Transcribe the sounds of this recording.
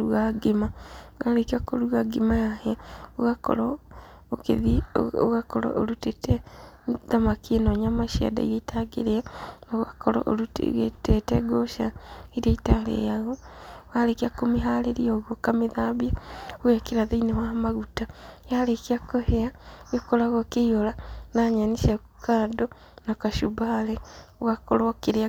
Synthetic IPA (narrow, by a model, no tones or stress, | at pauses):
ɾuɣaɡemaoɣaɾekiakoɾuɣaɡemajahɛaoɣakɔ̰ɾɔ | okḛðḭo̰ɣakɔɾɔ̰ʔo̰ɾutetɛ | ðamakienɔɲamaʃia̰da̰iɾaitʰaɡḛɾeanɣakɔɾɔ̰ʔo̰ɾṵɣetetɛɡoʃaiɾaitalḛjaɣowalekiakomiɦaleɾioɣokamiðaːβiaɣuakiɾaðeinewamaɣutajalekiakoheajokolaɣokijolanaɲaniʃakukaːdo | nakaʃubaleɣakolokiɾea